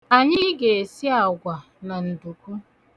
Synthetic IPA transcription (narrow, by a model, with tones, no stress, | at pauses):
a˨ɲɪ˦ɡe˨e˨si˦a˨ɡʷa˨ | na˨n̩˨du˨kʷu˦